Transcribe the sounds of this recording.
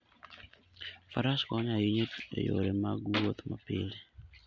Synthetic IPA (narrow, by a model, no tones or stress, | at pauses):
faɾaskɔɲajiɲetḛjo̰ɾemaɡuwot̪ma̰pɪ̰li